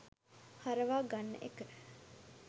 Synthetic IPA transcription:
haɾəʋaːɡanːə̰ʔekəɾ

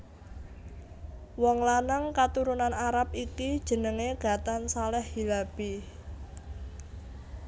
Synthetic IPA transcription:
wɔŋlanəŋkat̪uɾunanaɾap̚ikid̥ʒ̥ə̤nəŋeɡ̥ä̤t̪ansalɛhhilab̥i

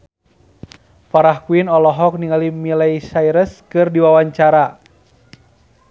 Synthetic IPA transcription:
faɾahkuinɔlɔɦɔk̚niŋalimilaisaiɾəskɨrdiwawaɲt͡ʃaɾa

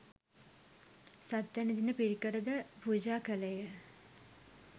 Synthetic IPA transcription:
sat̪ːanid̪inəpiɾikəɾəd̪əbʱuːd͡ʑaːkəlejə

